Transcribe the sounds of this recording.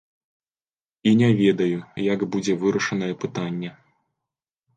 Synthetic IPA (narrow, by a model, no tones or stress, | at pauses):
inʲɛvʲed̪ɐjujaɡbud͡zʲɛvɨɾɐʂɐnɐjɛpɨt̪anʲːɛ